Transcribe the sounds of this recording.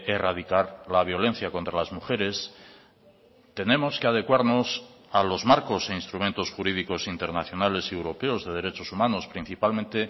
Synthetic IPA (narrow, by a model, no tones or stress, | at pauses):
eraðikaɾlaβ̞jo̞le̞n̟θjako̞nt̪ɾalazmuxe̞ɾe̞s | t̪e̞nemo̞skeað̞e̞kwaɾno̞s | alo̞zmaɾko̞se̞inst̪ɾument̪osxuɾiðiko̞sint̪e̞ɾnaθjo̞nale̞siewɾo̞pe̞ozðe̞ð̞e̞ɾe̞t͡ʃo̞sumãno̞spɾin̟θipalmẽnt̪e̞